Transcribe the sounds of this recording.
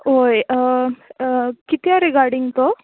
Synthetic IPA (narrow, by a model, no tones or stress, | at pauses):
ɦoj | kit̪iaɾikaɾɖiŋɡt̪o